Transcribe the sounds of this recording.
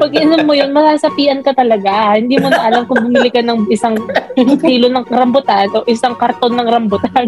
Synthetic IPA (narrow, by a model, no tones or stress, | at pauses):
pɐɡ̚ʔɪɐnɐmːojonmɐsaːsɐpiːʔɐnkɐt̪ɐlɐɡahɪnd̪iːmʊnɐʔɐlamkʊŋbʊmɪlɪkɐnɐŋʔɪsaŋtiːlonɐŋɐɾɐmbʊt̪anʔoʔɪsaŋkɐɾt̪o̞nːɐŋɾɐmbʊt̪an